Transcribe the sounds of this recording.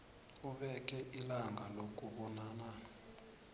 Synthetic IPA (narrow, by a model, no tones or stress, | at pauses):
uɓɛkʼɛʔilaŋʱalok̬ʼuɓɔnaːna